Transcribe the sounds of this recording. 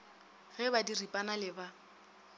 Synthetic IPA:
ɣɛbadiripʼanalɪba

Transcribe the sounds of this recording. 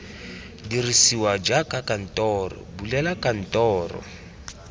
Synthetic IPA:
dirisiwad͡ʒakʼakan̩tʼɔːrɔ̰bulɛlakʼan̩tʼɔːrɔ̰

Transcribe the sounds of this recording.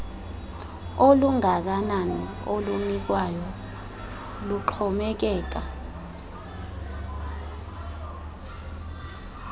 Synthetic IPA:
oluŋak̬anana | olunik̬wajɔ | luǃʰɔmɛk̬ɛːk̬a

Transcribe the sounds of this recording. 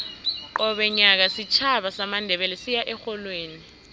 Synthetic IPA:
ɔɓɛɲak̬asit͡ʃʰaɓasamandʱɛɓɛlɛsijaʔɛxɔlweːni

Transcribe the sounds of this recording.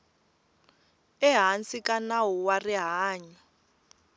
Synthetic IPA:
ɛɦant͡sikanawuwariɦaːɲi

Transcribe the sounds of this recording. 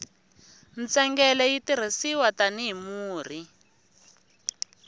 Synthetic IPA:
nt͡sɛŋɡɛlɛjitiɾ̤isiwataniɦimuːr̤i

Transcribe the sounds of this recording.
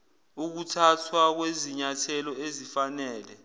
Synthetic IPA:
uk̬utʰatʰwak̬weziɲatʰɛlɔezifanɛːlɛ

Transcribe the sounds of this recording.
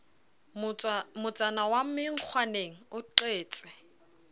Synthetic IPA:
mʊt͡sʼanawam̩mɪŋ̩k͡xʰwaneŋ̩ʊǃeːt͡sʼɪ̥

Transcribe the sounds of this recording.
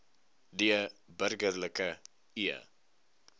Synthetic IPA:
diəbərɡərləkə | iə̰

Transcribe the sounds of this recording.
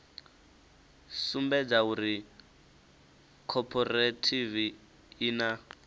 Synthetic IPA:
sumbɛd͡zauɾi | kʰɔpʰɔratʰiviː | na

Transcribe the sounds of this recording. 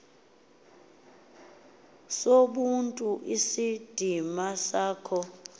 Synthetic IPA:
soɓuntʼuʔisid̥ʱimasaːkʰɔ

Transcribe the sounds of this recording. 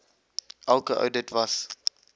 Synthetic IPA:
ʔælˠkəʔə̰wdətvɐs

